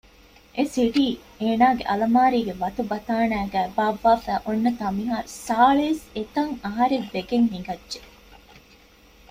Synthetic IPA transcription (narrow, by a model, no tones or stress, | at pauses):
ʔesiɖiː | eːnaːɡeʔɐlɐmaːɾiːɡeʋɐt̪ubɐt̪aːnæːɡæːbaːʋːaːfæːʔonːɐt̪ɐmiɦaːɾsaːɭeset̪ɐŋɐɦɐɾeʋːeɡeŋɦiŋɡɐdʒe